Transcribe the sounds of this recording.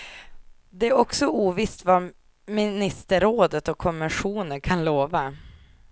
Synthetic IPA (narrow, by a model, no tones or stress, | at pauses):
d̪ɛæɾɔksɔuːvɪst̪va | mɪnɪst̪əɾoːd̪ət̪ɔkʰːɔmvɛnɧuːnənkʰanloːva